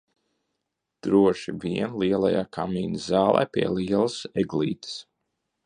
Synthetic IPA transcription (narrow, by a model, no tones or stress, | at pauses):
d̪̥ɾuɔʃiviɛnliɛlˠa̰jaːkʰamiːnɨzzaːlˠɛ̰jpiɛliɛlˠəsɛɡlḭːt̪ɨ̥s